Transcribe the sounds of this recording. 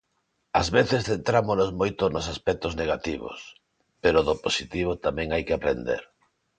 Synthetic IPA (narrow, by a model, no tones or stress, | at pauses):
azβeθesθent̪ɾamonozmojt̪ʊnosaspɛk̚t̪ozneɣ̞at̪iβo̰s | peɾoðoposit̪iβ̞ot̪amɛ̃ŋajkɪapɾḛnd̪ḛɾ